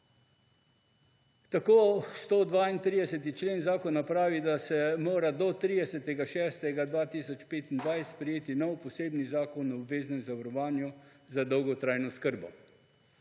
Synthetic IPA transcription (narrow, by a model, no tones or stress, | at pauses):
t̪akoːst̪od̪ʋaint̪ɾiːd̪ɛsɛt̪̬it͡ʃleːnzaːkɔnapɾaːʋid̪asɛmoːɾad̪ɔt̪ɾiːd̪ɛsɛt̪ɛɡaʃɛːst̪ɛɡad̪ʋaːt̪iːsɔt͡ʃpeːt̪ind̪ʋajst̪pɾɛjeːt̪inɔwpɔseːbnizaːkɔnːɔobveːznɛmzaʋaɾɔʋaːnjuzad̪ɔwɡɔt̪ɾaːjnɔskəɾbɔ̰